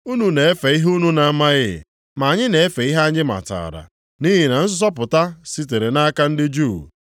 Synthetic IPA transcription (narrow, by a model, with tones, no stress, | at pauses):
u˦nu˨ne˨e˦fe˨i˦ɦu˦nu˦na˨˦ma˦ɣɪ̰˦˨ | ma˨a˨ɲɪ˦ne˨e˦fe˨˦i˦ɦa˦ɲɪ˦ma̰˨ta̰˨ɾa̰˨ | ni˦ɦɪ˨na˨n̩˦s̬ʊ˦s̬ɔ˦pʊ˨ta˦si˦t̬e˨ɾe˨na˦ka˦n̩˦dɪ˦d͡ʒu˦˨